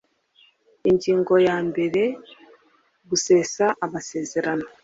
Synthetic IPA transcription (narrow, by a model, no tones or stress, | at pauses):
iɲɟiːŋɡojaːmbeɾe | buseːsaʔaβaseːzeɾano